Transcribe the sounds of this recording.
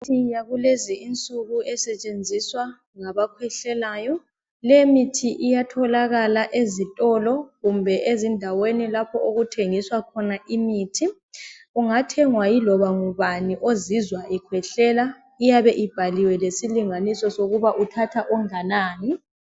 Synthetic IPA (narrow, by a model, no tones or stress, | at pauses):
ijaɣuleziint͡sʼuɣuɛsɛt͡ʃʼend͡zʱiswa | ŋaβakʰwɛɬɛlajɔ | lɛmitʰiʔijatʰɔlaɣalaʔezitʼɔlɔɣumbʱɛʔezindʱawenilapʰɔoɣutʰeŋiswakʰɔnaʔimiːtʰi | uŋatʰɛŋwajilɔβaŋuβaniʔozizwaʔɛkʰwɛɬɛla | ijaβɛʔib̥ʱaliwɛlesiliŋanisɔsoɣuβaʔutʰatʰaʔɔŋanaːni